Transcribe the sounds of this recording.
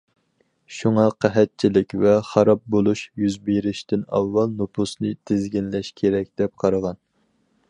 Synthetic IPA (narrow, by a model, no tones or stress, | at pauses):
ʃuŋɑqʰæɦɛt̪̚t͡ʃʰilɪkʲvɛχɑɾɑp̚bolˠuʃjyzbeɾɪʃt̪ɪnɑ̰vːɑlˠnopʰusnɨt̪ʰɪzɡʲinlɛʃkʲʰeɾɛk̚ʲd̪̥ɛp̚qʰɑɾɑʁɑn